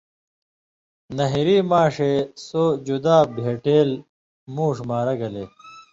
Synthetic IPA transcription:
nɐɦiɾiːmaːʂesoːd͡ʑud̪aːbʱeːʈeːl | muːʂmaːɾɐɡɐleː

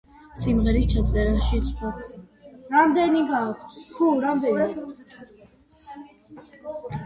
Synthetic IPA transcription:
simʁɛɾist͡ʃʰat̪sʼɛɾaʃit̪sʼɔ | ɾamd̪ɛniɡaːkʰt̪ʰkʰuɾamd̪ɛniak̪ʰ

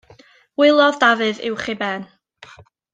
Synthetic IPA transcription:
wɪlˠɔðdavɨðɪ̰wχɪbɛːn

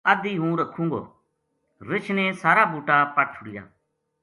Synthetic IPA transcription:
əd̪iːɦũːɾəkʰːũːŋɡo̰ː | ɾɪt͡ʃʰneːsaːɾaːbuːʈaːpaːʈʰʊɽɪja̰ː

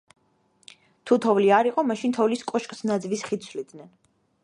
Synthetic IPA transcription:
t̪ʰut̪ʰɔvliaɾiqʼɔmaʃint̪ʰɔvliskʼɔʃkʼsnad̪zvisχit̪sʰvlid̪nɛn

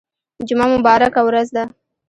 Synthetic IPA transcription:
d͡ʒʊmamʊbɑɾakawɾazd̪a

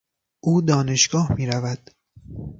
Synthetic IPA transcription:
ʔuːd̪ɒːne̞ʃɡɒːhmiːɾævæd̪̥

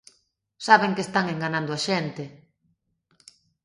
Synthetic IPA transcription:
saβeŋkest̪aŋeŋɡanãnd̪ʊaʃent̪ɪ

